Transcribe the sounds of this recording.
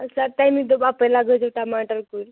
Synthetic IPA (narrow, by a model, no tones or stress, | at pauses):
səɾʈajmid̪obapəjlaɡəd͡ʒəʈamaʈəlkuɾ